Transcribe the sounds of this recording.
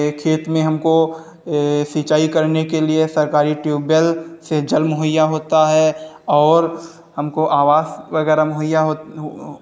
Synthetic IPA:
kʰeːt̪mẽɦɐmko | sit͡ʃaːikɐɾnekeliesɐɾkaːɾiʈjuːbəlsed͡ʒɐlmʊɦəjaɦoːt̪aɦɛ | ɔːɾ | hɐmkoʔaːʋaːsʋɐɡɛːɾamʊɦəjaɦo

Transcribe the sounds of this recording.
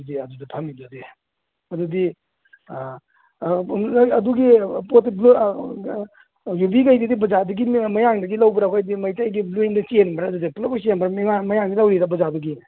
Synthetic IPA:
diɐdudɐpʰɐmidudi | ɐdudi | ɐduɡipotblu | jubikajdidibɐzaduɡimɐjaŋdɐɡilawbɐɾawkajdimɐjtajɡibluendɐt͡ʃenbɐɾːdudiplɐbɐs̬ienbɐɾamŋamɐjaŋɡilɐwɾiɾabɐzaduɡi

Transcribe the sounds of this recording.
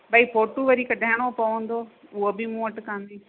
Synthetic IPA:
bʱaːipoːʈuʋɐɾikɐɗaːɪɽ̃opɐʋə̃nd̪oʊɦobɪmũɐʈkãːn̆d̪iː

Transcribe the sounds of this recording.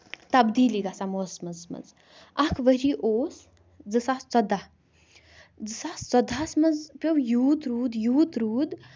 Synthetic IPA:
t̪ɐbd̪iːliɡasamosmɐzmɐ̰z | ɐkʰʋəɾiʔoːs | d͡zɨsast͡sɔd̪a | d͡zɨsaːst͡sɔd̪ʱasmɐzpʲewjuːt̪ɾuːd̪juːt̪ɾuːd̪

